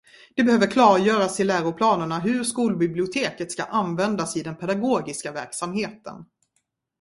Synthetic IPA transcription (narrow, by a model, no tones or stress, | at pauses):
d̪̥ɛbɛhøːvəɾkʰlɑːɾjœːɾasɪlæːɾʊpʰlɑːnəɳaɦɵʂkuːlbɪblɪʊt̪ʰeːkət̪ska̰ʔanvɛnd̪asɪd̪ɛnpʰɛd̪aɡoːɡɪskavæɾksamheːt̪ə̰n